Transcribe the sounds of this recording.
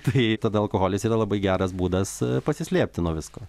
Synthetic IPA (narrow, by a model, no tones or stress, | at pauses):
t̪ɐɪt̪ɐd̪ɐɐlˠkoːhoːlʲɪsiːɾɐlˠɐbɐɪɡʲæːɾɐsbuːd̪ɐspɐsʲɪsʲlʲeːpʲt̪ʲɪnuɔʋʲɪskoː